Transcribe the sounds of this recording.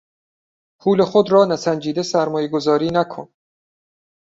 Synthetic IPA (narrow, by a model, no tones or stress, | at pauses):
pʰuːle̞xod̪ɾɒːnæsænd͡ʒiːd̪e̞sæɾmɒːjeɡo̞zɒːɾiːnækʰon